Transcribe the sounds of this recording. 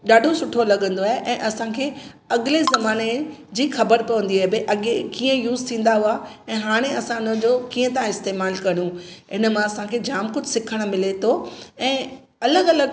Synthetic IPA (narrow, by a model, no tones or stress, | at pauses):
ɗaːɖʱosʊʈʰːolɐɠə̃nd̪oaːɦeʔɛ̃ːʔɐsãkʰeː | ɐɠɪlezɐmaːned͡ʑiːxɐbəɾkɐʋə̃nd̪iaːɦebɪʔɐɠekiːə̃juːzt̪ʰĩːn̆d̪aɦua | ɛ̃ːɦaːɽ̃eɐsãɪnə̃d͡ʑoːkiːə̃t̪ãɪst̪eːmaːlkɐɽ̃ũɪnə̆mãɐsãkʰeːd͡ʑaːmkʊd͡ʑʱsɪkʰəɽ̃̆mɪlet̪ʰoɛ̃ː | ɐləɡɐləɡ